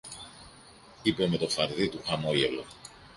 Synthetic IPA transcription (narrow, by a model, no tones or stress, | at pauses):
ipe̞me̞t̪o̞fɐɾðit̪uxɐmo̞ʝelo